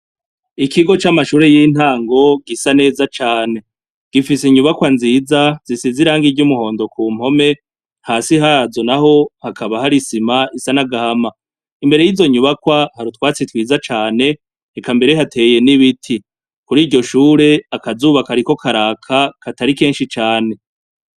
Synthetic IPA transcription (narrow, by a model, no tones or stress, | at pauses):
ikiɡo̞t͡ʃamaʃuːɾe̞jiːn̥haːŋɡo̞ɡisane̞ːzat͡ʃaːne̞ | ɡ̥ifiseiɲuβakwanziːzaz̥isiziɾaːŋɡiɟumuho̞ːndo̞kʰuːm̥o̞me̞ | haːsiɦazonaho̞hakʰaβahaɾisimaisanaɡahama | imbe̞ɾe̞jiːzo̞ɲuβakwahaɾutwaːt͡sitwiːzat͡ʃaːne̞ | ekambe̞ɾe̞ɦatʰe̞ːje̞niβitʰi | kuɾiːɟo̞ʃuːɾe̞akazuːβakaɾiko̞kʰaɾaːkʰakʰataɾike̞ːnʃit͡ʃaːne̞